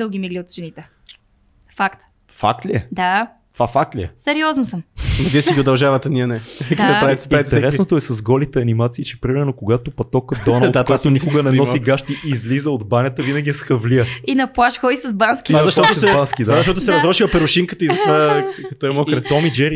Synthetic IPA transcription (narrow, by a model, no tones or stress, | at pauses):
d̪əɡʲimiɡliot̪ʒɛnit̪ɛ | fakt̪ | fa̰k̚t̪lʲiɛd̪a | t̪ovafak̚t̪lʲiɛsɛɾiɔznɐsəmnɐviəsiɡʲiʊd̪ɐlˠʒavət̪ɛniənɛɛkipɾavit̪spit̪ɛɛɾɛsnot̪oɛsɐzɡɔlit̪ɛɐnimat̪siːt͡ʃɛpɾimɛɾnokoɡat̪opɐt̪ɔkəd̪ɔnɐlˠd̪at̪at̪onikoɡənɛnɔsiɡaʃt̪iʔizlizəod̪banʲət̪əvinəɡʲiɛsxɐvliəinɐplˠaʃxɔisɐzbanskʲiazɐʃt̪ɔt̪sɛbanskʲid̪azɐʃt̪ɔt̪ʊsɛɾɐzɾɔʃiwəpɛɾʊʃiŋkət̪əizɐt̪vakɐt̪ɔɛmɔkt̪ɔmid͡ʒɛɾi